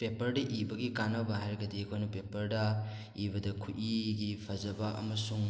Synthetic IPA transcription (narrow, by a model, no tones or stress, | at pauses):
pepɐɾdɐʔibɐɡikanɐbaɦaɾɡɐdikʰojnupepɐɾdɐ | ibɐdɐkʰuʔiɡipʰɐzɐbɐʔɐ̰mɐsuŋ